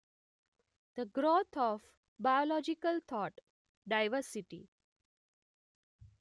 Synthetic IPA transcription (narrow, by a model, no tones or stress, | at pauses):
d̪̥əɡɾot̪ʰɔf | bajolɔd͡ʒikəlt̪ʰɔːʈ | ɖaɪʋəɾsiʈḭ